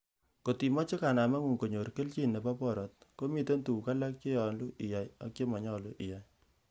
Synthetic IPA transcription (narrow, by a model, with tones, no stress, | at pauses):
ko˨ti˨mɔ˦t͡ʃe˦ka˨na˨ma˦ŋu˨ŋko˨ɲo˨ɾke˦lt͡ʃi˦˨nːe˨pa˦pɔ˦ɾɔ˨t̚ko˦mi˦te˦ntu˨ka˦la˦k̚t͡ʃe˦jɔ˨nlu˦ʔi˨ja˨ja˨kt͡ʃe˦mɔ˨ɲɔ˦lu˦ʔɪ˨ja˨j